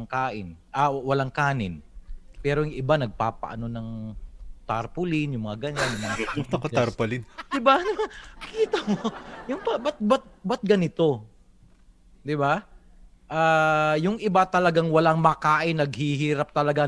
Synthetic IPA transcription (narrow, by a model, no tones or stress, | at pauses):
ŋkaːʔɪnʔawɐlaŋkaːnɪnpɛːɾojŋʔɪbanɐɡ̚pa̰ːpɐ̰ʔɐ̰no̞nɐŋ | t̪aɾpʊlɪnjʊŋmɐŋaɡɐɲanjʊŋmɐŋakit̪ɐkoaɾpʊlɪnd̪ɪbanʊmakiːt̪ɐŋojʊŋpɐbɐt̪̚bɐt̪̚bɐt̪̚ɡɐnɪt̪o̞ | d̪ɪba | ʔaːjʊŋʔɪbat̪ɐlɐɡaŋwɐlaŋmɐkaːʔɪnːɐɡ̚hihiːɾap̚t̪ɐlɐɡa